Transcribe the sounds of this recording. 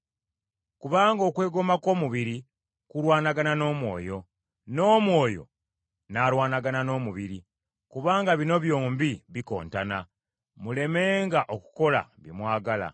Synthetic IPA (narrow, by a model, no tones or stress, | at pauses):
kuβaːŋɡo̞ːkwe̞ːɡo̞mako̞ːmuβiɾi | kulwaːnaɡanano̞ːmwo̞̰ːjo̞ | no̞ːmwo̞ːjo̞̰ | naːɾwaːnaɡanano̞ːmuβiɾi | kuβaːŋɡaβino̞βjo̞ːmbiβiko̞̰ːntana | mule̞me̞ːŋɡaʔoku̥ko̞la̰βimwaːɡala̰